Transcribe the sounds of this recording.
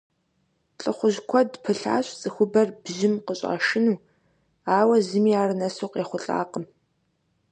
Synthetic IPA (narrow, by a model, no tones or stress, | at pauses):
ɬʼɨχʷʊʒkʷʰɔdpʰɨɬa̰ːɕt͡sʼɨxʷʊbɐrbʑɪmqəɕʼa̰ːʃɪnuː | aːwɐzɨmiːaːrɨnɐsuːqjɛχʷʊɬʼa̰ːqəm